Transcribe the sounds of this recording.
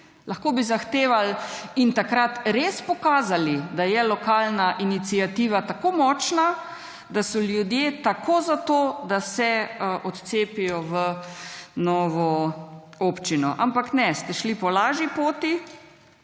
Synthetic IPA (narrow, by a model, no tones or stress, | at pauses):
laxkoːbizaxt̪eːʋalint̪akɾat̪ɾeːspɔkaːzalid̪ajɛlɔkaːlnaʔinit̪siat̪iːʋat̪akomɔt͡ʃna | d̪asɔljud̪jeːt̪akʰoːzat̪oːd̪asɛʔɔt̪t̪seːpijɔʋə | nɔːʋɔ | oːpt͡ʃinɔʔampaknɛst̪ɛʃlipɔlaːʒipoːt̪i